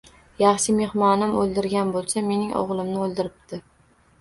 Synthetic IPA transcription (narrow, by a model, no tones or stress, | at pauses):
jɑχʃɪme̞hmɒnɪmolˠd̪ɪɾɡʲanbolˠsame̞nɪŋɒ̰ʁlˠɪmnɪolˠd̪ɪɾɪp̚t̪ʰɪ